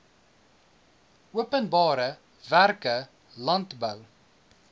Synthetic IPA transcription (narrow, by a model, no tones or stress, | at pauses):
ʔuəpənbɑːɾə | værkə | lɐntbəw